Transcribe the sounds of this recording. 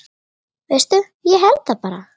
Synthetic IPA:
vejst̪ʏ | jɛɦɛlt̪θapaːɾa̰

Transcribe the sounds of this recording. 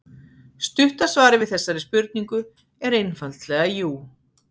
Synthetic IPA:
st̪ʏht̪asvaːɾɪvɪðθɛsːaɾɪspʏɾt̪̚niŋkʏ | ɛɾejnfalt̪lɛɣajuː

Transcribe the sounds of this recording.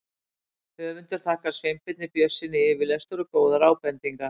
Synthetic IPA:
hœːvʏnt̪ʏɾ̥θʰaːhkaɾ̥svejmpɪt̪̚nɪpjœsːɪnɪɪvɪlɛst̪ʏɾʏkoːwðaɾaːwpɛnt̪iŋka

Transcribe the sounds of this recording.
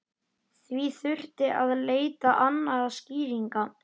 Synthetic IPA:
θviθʏr̥t̪ɪʔaðleːjt̪aʔanːaɣasciːɾiŋka

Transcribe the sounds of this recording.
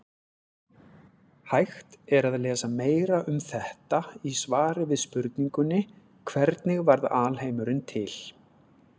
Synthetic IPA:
hajxt̪ɛɾaðlɛːsameːjɾaʔʏmθɛht̪aisvaːɾɪvɪðspʏɾt̪niŋkʏnːɪ | kʰvɛɾt̪nɪɣvaɾðaːlhejmʏɾɪnt̪ʰɪl̥

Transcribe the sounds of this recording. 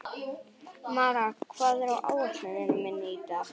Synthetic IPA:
maːɾakʰvaːðɛɾawʔa̰ːwɛt̪ɛðɪnʏmɪnːɪit̪a

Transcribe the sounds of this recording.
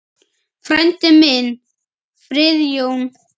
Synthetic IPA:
fɾɛnt̪ɪmɪn | fɾɪðjown

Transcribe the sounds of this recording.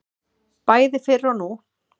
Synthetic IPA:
paːjðɪfɪrːawnu

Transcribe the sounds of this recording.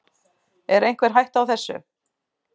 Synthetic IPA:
ɛɾejŋ̥kvɛɾ̥ɦajht̪awθɛsːʏ̰

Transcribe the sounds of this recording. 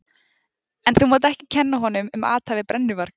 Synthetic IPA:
ɛnθumɔːt̪̬ɪɛhcɪcʰɛnːaɦɔnʏmʏma̰ːt̪hajvɪpɾɛnːʏvaɾ̥k

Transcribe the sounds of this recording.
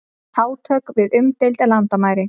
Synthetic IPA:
aːwt̪ʰœːkvɪðʏmt̪ejlt̪ɛlant̪amaːjɾɪ

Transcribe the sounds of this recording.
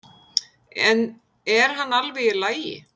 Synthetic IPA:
ɛn | ɛɾ̥ɦanːalvɛɣɪlaːjjɪ̰

